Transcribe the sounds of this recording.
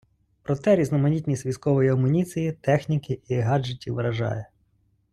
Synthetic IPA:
pɾɔt̪ɛɾʲiznɔmɐnʲitʲnʲisʲʋʲijskɔʋɔjiɐmʊnʲit͡s̪ʲijit̪ɛxnʲikɪʔiɦɑd͡ʒetʲiʋɾɐʒɑ̰jɛ

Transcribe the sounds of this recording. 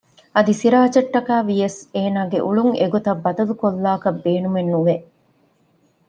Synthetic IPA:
ɐd̪isiɾaːt͡ʃɐʈːɐkaːʋijɐseːnaːɡeʔuɭuŋḛɡot̪ɐbːɐd̪ɐlukolːaːkɐbːeːnumenːuʋe

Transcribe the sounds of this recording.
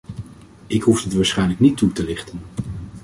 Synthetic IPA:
ɪkɦufdətʋaːɹsχɛjnləknitːutəlɪχtən

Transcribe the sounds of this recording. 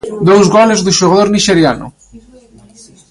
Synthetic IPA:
d̪owzɣɔlezðuʃoɣaðoɾniʃeɾjanʊ̰

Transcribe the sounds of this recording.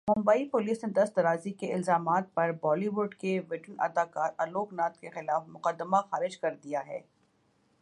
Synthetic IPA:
mʊ̃mbaːipʊliːsned̪ɐst̪ɐɾaːzikeɪlzaːmaːt̪̚pɐɾbɔːliʋʊɖkeʋɪʈənɐ̰d̪aːkaːɾɐloːknaːt̪̚kexɪlaːfmʊqəd̪ːəmaxaːɾɪd͡ʒkɐɾd̪ijaɦɛ̰ː

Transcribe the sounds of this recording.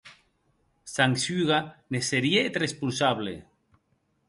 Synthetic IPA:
saŋsyɣaneseɾieet̪respulsaβlḛ

